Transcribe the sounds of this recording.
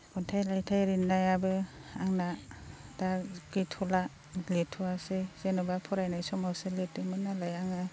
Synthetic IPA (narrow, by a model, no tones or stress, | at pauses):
kɔntʰajlajtʰajɾinːajabɯaŋnadakitʰɔla | letʰuasez̥enɔbapʰɔɾajnajsɔmawseletɯmɯnːalajaŋɯ